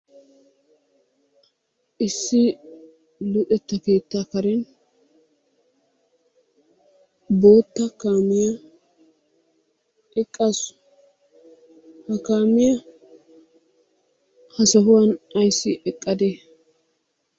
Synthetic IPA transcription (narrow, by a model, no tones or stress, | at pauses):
ʔɪsːɪ | lʊt̪ʼɛt̪ːɐke̞ːt̪ːakɐɾɛn | bo̞ːt̪ːɐkaːmɪjɐ | ɛkʼːɐsʊ̥ | hɐkaːmɪjɐ | hɐsɐɦʊwɐnɐjsːɪʔɛkʼːɐd̪e